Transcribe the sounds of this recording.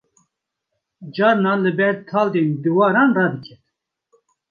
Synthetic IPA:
d͡ʒɑːɾnɑːlɨbɛɾt̪ʰɑːld̪eːnd̪ɨwɑːɾɑːnrɑːd̪ɨkʰɛt̪

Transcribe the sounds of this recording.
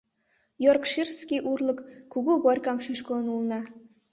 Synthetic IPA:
jorkʃirskʲiʔurlˠɤ̆kːuɡubɔrʲkɑmʃiʃkə̆lˠɤ̆nulˠɤ̆nɑ

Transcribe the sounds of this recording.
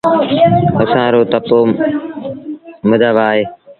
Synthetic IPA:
əsãːɾoːt̪əpoː | məd̪ʱəʋaːɦeː

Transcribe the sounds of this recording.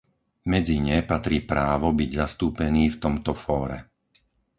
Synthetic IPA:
mɛd͡ziɲɛpat̪ɾiːpɾaːʋɔbiɟzast̪uːpɛniːft̪ɔmt̪ɔfɔːɾɛ̰

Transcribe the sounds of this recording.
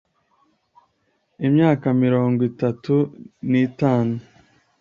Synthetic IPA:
imɲaːkamiɾo̞ːŋɡwitatuniːtaːnu

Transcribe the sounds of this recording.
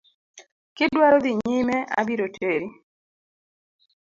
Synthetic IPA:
kɪdwaɾod̪iɲɪmɛʔa̰biɾotʰeɾi

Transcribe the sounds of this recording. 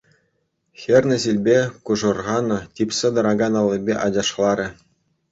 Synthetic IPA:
xʲerʲnʲɘ̆zilʲbʲekuʐɤ̆rʁɑnɤ̆tʲipʲsʲɘ̆d̪ɤ̆ɾɑɡɑnɑlʲˠːɤ̆bʲeʔɑd͡ʑɑʂlˠɑɾʲɘ̆

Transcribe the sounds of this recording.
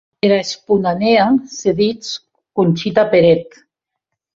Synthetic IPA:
eɾaespunaneaseðit͡s | kunʲt͡ʃit̪apeɾet̪

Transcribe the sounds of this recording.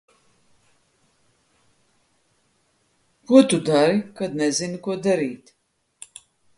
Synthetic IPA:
kɔt̪ud̪aɾikɐd̪nɛzinikʷɔd̪ɐɾiːt̪

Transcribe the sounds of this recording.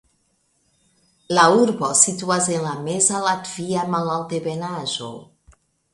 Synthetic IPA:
lauɾβɔsit̪uazenlamɛzalat̪viamalalˠt̪eβenazo̰

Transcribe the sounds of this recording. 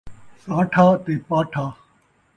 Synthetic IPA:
sãːʈʰaːt̪eːpaːʈʰaː

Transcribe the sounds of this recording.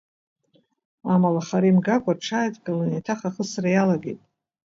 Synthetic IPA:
amalaχaɾimɡakʷʼarʈ͡ʂʰaːjtʰʼɡalanitʰaχaχəsrajalaɡejtʼ

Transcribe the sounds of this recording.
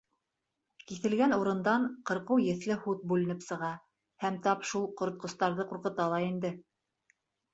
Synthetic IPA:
kiθɘ̆lɡænuɾɤ̆nd̪ɑɴqɤ̆ɾqɤwjɘ̆θlɘhut̪̚bʉlɘ̆nɘpsɤ̆ʁɑ | hæmt̪ɑpʃulˠqŏɾŏt̪̚qŏst̪ɑɾðɤquɾqɤ̆t̪ɑlˠɑind̪ɘ

